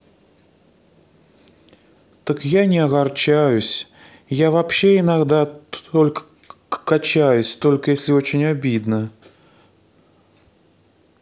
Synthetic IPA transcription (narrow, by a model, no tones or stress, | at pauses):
t̪əkjanʲɪɐɣɐrt͡ɕajʊsʲ | javɐpɕːeɪnaɣd̪aolʲkə̥ | kat͡ɕæjʊsʲt̪olʲkəjesʲlʲɪo̞t͡ɕɪnʲabʲid̪nə